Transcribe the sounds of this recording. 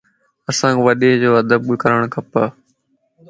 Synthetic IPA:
əsãːʋəɗeːd͡ʑoːəd̪əb̚kəɾəɽ̃kʰəpaː

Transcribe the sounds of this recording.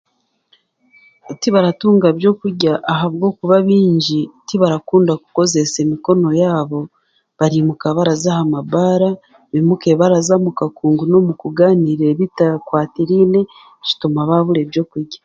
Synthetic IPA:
tiβaɾatuːŋɡaβjo̞kuɾɟaʔːɦaβɡo̞ːkuβaβiːɲɟitiβaɾakuːndaku̥ko̞ze̞se̞miko̞no̞jaːβo̞ | βaɾimukaβaɾazahamabaːɾa | βimuke̞βaɾazamukakuːŋɡuno̞mukuɡaːniɾe̞βitakwaːtiɾine̞ | ʃi̥tumaβaβuɾeβjo̞kuɾɟa

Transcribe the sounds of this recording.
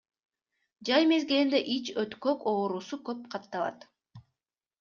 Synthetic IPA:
d͡ʒɑjme̞zɡelind̪eʔit͡ʃøt̪køko̞ːɾuːsukøp̚qʰɑt̪ːɑlˠɑ̰t̪

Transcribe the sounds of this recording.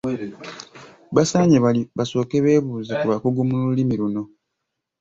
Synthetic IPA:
βasaɲeβaliβaso̞ːkeβe̞ːβuːzekuβakuɡumululimiɾuno̞

